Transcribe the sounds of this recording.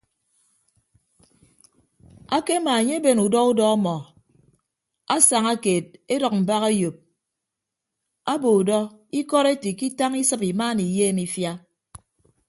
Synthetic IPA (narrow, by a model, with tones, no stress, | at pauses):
a˦ke˦ma˨e˨ɲe˦be˨nu˨dɔ˦u˦dɔ˦a˦mɔ˨ | a˦sa˨ŋa˦keː˨t̚e˦dɔ˨k̚m̩˨ba˦ɣe˦jo˨p̚ | a˦bo˨u˨dɔ˦i˦kɔ˦ɾe˦ti˨ki˦ta˦ŋi˦sɨ˦pi˨ma˦ni˨jeː˦˨mi˦fja˦